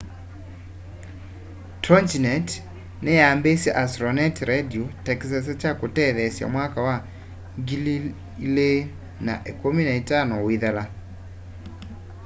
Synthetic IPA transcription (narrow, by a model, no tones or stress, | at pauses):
tɾɔnt͡ʃinɛt | nejambesɛʔasɾɔnɛtɾɛdiotɛks̬as̬ɛt͡ʃakotɛðɛsja̰mwakawa | ɡili | le | na̰ʔekominaetanɔwiðala